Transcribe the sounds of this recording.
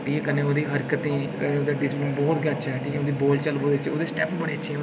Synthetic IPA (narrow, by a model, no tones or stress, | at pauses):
ʈʰiːkɛkəneːoːd̪iːɦəɾkət̪ĩːkənẽːoːd̪eːɖɪslə̃bɔːt̪ɡaɾt͡ʃʰɛːʈʰiːkɛoːd̪iːboːlt͡ʃəlboːd̪et͡ʃo̰ːd̪eːsʈɛːpbəɽeːət͡ʃʰi